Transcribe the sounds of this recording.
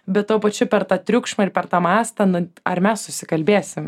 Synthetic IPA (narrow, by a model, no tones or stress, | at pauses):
bʲɛt̪̚t̪ːoːpɐt͡ʃʲʊpʲɛɾt̪ɑːt̪ʲɾʲʊkʃmɐɪɾpʲɛɾt̪ɑːmɑːst̪ɐnʊɐ̰ɾmʲɛssʊsʲɪkɐlʲbʲeːsʲɪm